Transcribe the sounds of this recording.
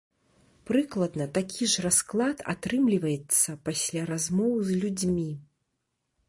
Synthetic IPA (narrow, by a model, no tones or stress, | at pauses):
pɾɨklˠɐd̪nɐt̪akʲʰiʐrasklˠat̪a̰t̪ɾɨmlʲivɐjɛt̪sːɐpasʲlʲaɾazmɔwzlʲud͡zʲmʲi